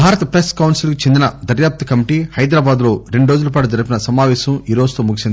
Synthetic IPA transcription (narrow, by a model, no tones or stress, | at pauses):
bʱaːɾɐt̪ɐpɾeskɐwnsilkit͡ʃend̪inɐd̪ɐɾjaːp̚t̪ɐkɐmiʈiːhɐjd̪ɾaːbaːd̪lo̞ːɾeɳɖuɾoːd͡ʒulɐpaːʈ̬ud͡ʒɐɾipinɐsɐmaːʋɛːʃɐmiːɾo̞ːd͡ʒut̪oːmuɡisind̪